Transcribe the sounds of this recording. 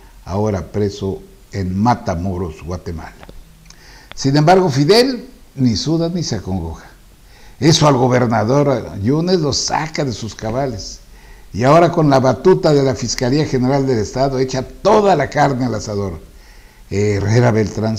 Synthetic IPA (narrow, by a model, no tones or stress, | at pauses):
a̰oɾapɾeso | enmat̪amoɾosɣwat̪ema̰la | sinembaɾɣo̞fiðe̞l | nisuðanisakoŋɡoxḁ | esoalɣo̞βe̞ɾnaðo̞ɾjunezlosa̰kaðe̞suskaβales | iaoɾako̞nlaβat̪ut̪aðe̞lafiskaliaxe̞ne̞ɾald̪e̞lest̪aðoe̞t͡ʃat̪o̞ðalakaɾnelasaðo̞ɾa | ereɾaβelt̪ɾans